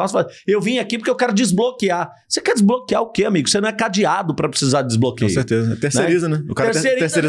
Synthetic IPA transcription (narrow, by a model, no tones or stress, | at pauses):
ɔ̃sfazewvĩɲʊakip̬oʊɾkeʊwkɛɾʊd͡ʒɪzblokiaɾ | sekɛɾd͡ʒɪzblokiaɾʊkeamiɡʊsenɐ̃w̃ɛkad͡ʒiad̪ʊpɾɐpɾe̥sizaɾd͡ʒɪzblokiõseɾt̪ezɐɛt̪eɾsnɛeɾizɐnɛʊ̰kaɾɐɾseɾt̪eɾseɾi